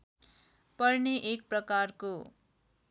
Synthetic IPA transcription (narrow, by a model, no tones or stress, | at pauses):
pʌrneʔek̚prʌkarko